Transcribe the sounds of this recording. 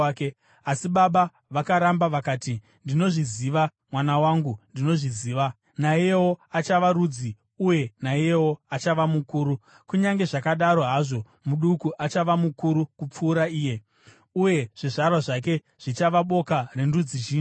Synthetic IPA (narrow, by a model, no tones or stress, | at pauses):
ke | asiɓaɓa | ʋakaɾambaʋakaːti | ndino̞ʐiziʋa | mwanawaŋɡundino̞ʐiziːʋa | naijeo̞at͡ʃaʋaɾuːd͡zi | uje̞naiewo̞at͡ʃaʋamukuːɾu | kuɲaŋɡe̞ʐakaɗaɾo̞ɦaʐo̞ | muɗukuʔat͡ʃaʋamukuɾukup͡fuːɾaiːje̞ | uje̞ʐ̥iʐarwaʐak̬e̞ | ʐ̥it͡ʃaʋaɓo̞kare̞ndud͡zit͡ʃiː